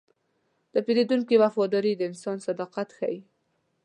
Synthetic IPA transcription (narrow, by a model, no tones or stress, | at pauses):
d̪̥əpeɾed̪uŋkiwafɑd̪ɑɾid̪əɪnsɑnsad̪ɑqat̪xa̰ji